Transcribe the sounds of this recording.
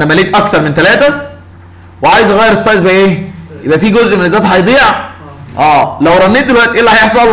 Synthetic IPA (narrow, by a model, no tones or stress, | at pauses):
ʔænæmæleːt̪ʔɑk̚t̪ɑɾˤment̪ælæːt̪æ | weʕaːjezʔæɣæjːeɾesˤːɑjzbæʔʔeːjebʔæfiːɡozʔmenezːæːt̪hɑjd̪ˤiːʕ | ʔæːlæwɾˤɑnːiːt̪d̪elwæʔt̪iʔelːæhæjeħsˤɑl